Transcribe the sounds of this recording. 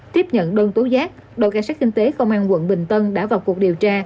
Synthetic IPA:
t̪i˦˥əp̚ɲə̰˧˨nɗəː˧nt̪o˨˦zaː˦˥k̚ | ɗo̰˧˨jkaː˧nsaː˦˥t̚ki˧ŋ̟t̪e˨˦kə˧wŋ͡mʔaː˧nwə̰˧˨nɓï˨˩ŋ̟t̪ə˧nɗa̰ː˧˥vaː˨˩wku˨˩k̚ɗi˨˩əwt͡ɕaː˧

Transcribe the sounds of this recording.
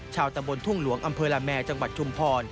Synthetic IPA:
t͡ɕʰaː˧wt̪a˧mbo˧nt̪ʰu˥˩ŋlu˩˦əŋʔa˧mpʰɤː˧laː˧mːɛː˧t͡ɕa˧ŋwa˨˩t̪̚t͡ɕʰu˧mpʰɔː˧n

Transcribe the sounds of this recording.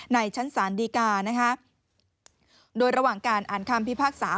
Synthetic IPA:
na˧jt͡ɕʰa˦˥nsaː˩˦ndiː˧kaː˧na˦˥kʰa˦˥ | doː˧jɾa˧waː˨˩ŋkaː˧nʔaː˨˩˦nkʰa˧mpi˦˥pʰaː˥˩k̚saː˩˦

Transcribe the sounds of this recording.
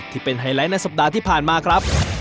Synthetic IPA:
t̪ʰiː˥˩pe˧nɦa˧˩jla˦˥jna˧jsa˨˩p̚daː˧t̪ʰiː˥˩pʰaː˨˩nmaː˧kʰɾa˦˥p̚

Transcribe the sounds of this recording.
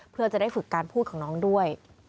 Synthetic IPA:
pʰɯ˥˩t͡ɕa˨˩daː˥˩jfɯ˨˩kːaː˧npʰuː˥˩kʰɔː˩˦nɔː˦˥ŋdu˥˩əj

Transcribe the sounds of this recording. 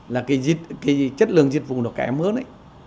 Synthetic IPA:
laː˨˩kaː˨˦jzi˧t̚kaː˨˦jt͡ɕə˦˥t̚lɨ̰˨˧˨əŋzi˧t̚vʊ̰˨nɗɔː˨˩ka̰ː˧˨˧məː˨˦nʔa̰˧˦j

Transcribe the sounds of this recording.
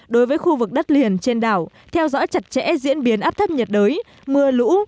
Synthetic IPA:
ɗo˨˦jvəː˨˦jxu˧vɨ˨˩k̚ɗə˦˥t̚li˨˩ənt͡ɕe˧nɗaː˧˩w | t̪ʰɛ˧wzɔ̰˧˥jt͡ɕa˨˩t̚t͡ɕɛ̰˧˥zḭ˧˥ənɓi˨˦ənʔaː˦˥p̚t̪ʰə˦˥p̚ɲə˨˩t̚ɗəː˨˦j | mɨ˧əlṵ˧˥

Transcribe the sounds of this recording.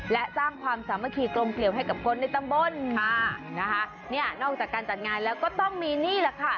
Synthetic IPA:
lɛ˦˥ʔsaː˥˩ŋkʰwaː˧msaː˩˦ma˧˩kʰiː˧kɾo˧mkli˨˩əwɦa˥˩jka˨˩p̚kʰo˧nːa˧jt̪a˧˩ŋbo˧nʰa˧˩na˦˥kʰa˦˥ʔ | ni˥˩ɐnɔː˥˩k̚t͡ɕaː˨˩kːaː˧nt͡ɕa˨˩t̪̚ŋaː˧nlɛː˦˥wkɔː˥˩t̪ɔ˥˩ŋmiː˧niː˥˩la˧˩kʰa˥˩

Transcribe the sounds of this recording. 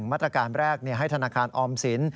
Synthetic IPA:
ŋmaː˥˩t̪ːɾa˧kaː˧nɾɛː˥˩k̚ni˥˩ɦa˥˩jt̪ʰnaː˧kʰaː˧nʔɔː˧msi˩˦n

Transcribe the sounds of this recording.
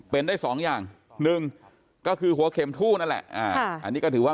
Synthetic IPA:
pe˧ndaː˥˩jsɔː˩˦ŋjaː˨˩ŋ | nɯ˨˧ŋ | kɔː˥˩kʰɯː˧ɦu˨˦ɐkʰe˧mt̪ʰuː˥˩na˦˥lɛ̰˨˩ʔʔaː˧˩˧a̰˧nːi˦˥kɔ˥˩ɯː˩˦wa˥˩

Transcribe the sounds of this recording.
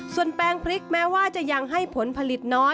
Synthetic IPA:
su˨˩ənpɛː˧ŋpʰɾi˦˥k̚mɛː˦˥waː˥˩t͡ɕa˨˩ja˧ŋɦa˥˩jpʰo˩˦npʰa˧li˨˩t̪̚nɔː˦˥

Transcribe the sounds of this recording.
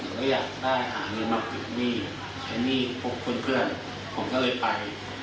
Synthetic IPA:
dɯ˨˩˦ɔ˥jaː˨˩k̚daː˥˩jɦa̰ː˩˦ŋɤː˧nma˦˥p̚pi˨˩k̚niː˥˩ | t͡ɕʰa˧niː˥˩pʰo˦˥kʰːo˧npʰɯ˥˩ən | kʰoː˨˩˦ŋkʰɔː˥˩lɤː˧jpa˧j

